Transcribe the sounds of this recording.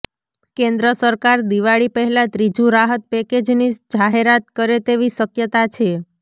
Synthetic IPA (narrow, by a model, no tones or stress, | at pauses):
kẽnd̪ɾəsəɾkaɾd̪iʋaɭipəɦɛlat̪ɾid͡ʒũɾaɦət̪̚pɛked͡ʒnid͡ʒaɦeɾat̪kəɾet̪eʋisəkjət̪at͡ʃʰe